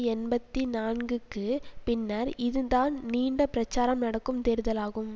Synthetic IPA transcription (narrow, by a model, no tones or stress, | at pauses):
ɛnbɐt̪ːinaːnɡɯkːɯpɪnːɐɾɪðɯd̪aːnniːɳɖɐpɪɾɐt͡ʃːaːɾɐmnɐɽɐkːɯmt̪eːɾɯðɐlaːɣɯm